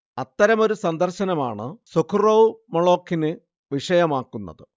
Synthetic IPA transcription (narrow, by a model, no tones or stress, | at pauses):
ɐt̪ːɐɾɐmo̞ɾusɐnd̪ɐrɕɐnɐma̰ːɳɨsokʰuroʋmɐɭo̞ːkːinɨ | ʋiʂɐjɐmaːkːunːɐ̰ðɨ